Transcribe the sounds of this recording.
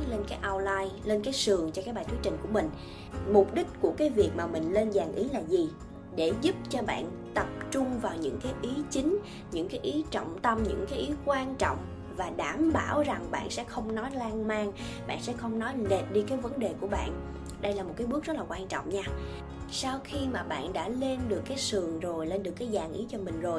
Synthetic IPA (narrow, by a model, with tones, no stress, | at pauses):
le˧nkaː˨˦jʔa˧wlaː˧jle˧nkaː˨˦jsɨ˨˩əŋt͡ɕɔ˧kaː˧˦˥k̚ɓaː˨˩jt̪u˨˦t͡ɕï˨˩ŋ̟ku˧˩əmï˨˩ŋ̟ | mʊ˨˩p̚ɗï˦˥k̟̚ku˧˩əkaː˨˦jvi˨˩ək̚maː˨˩mï˨˩ŋ̟le˧nzaː˨˩ŋʔḭ˨˦laː˨˩zi˨˩ | ɗe˧˩zʊ˦˥p̚t͡ɕɔ˧ɓa̰ː˧˨n | t̪ə˨˩p̚t͡ɕʊ˧ŋ͡mvaː˨˩wɲɨ̰˧˥ŋkaː˨˦jʔi˨˦t͡ɕï˨˦ŋ̟ | ɲɨ̰˧˥ŋkaː˨˦jʔi˨˦t͡ɕɔ̰˧˨wŋ͡mt̪ə˧mɲɨ̰˧˥ŋkaː˨˦jʔi˨˦kwaː˧nt͡ɕɔ̰˧˨wŋ͡m | vaː˨˩ɗaː˧˩mɓaː˧˩wza˨˩ŋɓa̰ː˧˨nsɛ̰˧˥xə˧wŋ͡mnɔ˨˦jlaː˧ŋmaː˧ŋ | ɓa̰ː˧˨nsɛ̰˧˥xə˧wŋ͡mnɔ˨˦jne˨˩p̚ɗi˧kaː˨˦jvə˨˦nɗe˨˩ku˧˩əɓa̰ː˧˨n | ɗə˧jlaː˨˩mo˨˩t̚kːaː˨˦jɓək̚zt̚laː˨˩kwaː˧nt͡ɕɔ̰˧˨wŋ͡mɲaː˧ | sa˧wxi˧maː˨˩ɓa̰ː˧˨nɗa̰ː˧˥le˧nɗɨ˨˩əkːaː˨˦jsɨ˨˩əŋzo˨˩jle˧nɗɨ˨˩əkːaː˨˦jzaː˨˩ŋʔḭ˨˦t͡ɕɔ˧mï˨˩ŋ̟zo˨˩j